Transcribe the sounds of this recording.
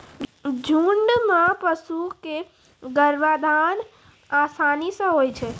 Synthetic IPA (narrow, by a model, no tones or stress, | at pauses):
d͡ʒʱuɳɖmãpəsuke | ɡəɾʋad̪ʱan | asanisə̃ɦojt͡ʃʰɛ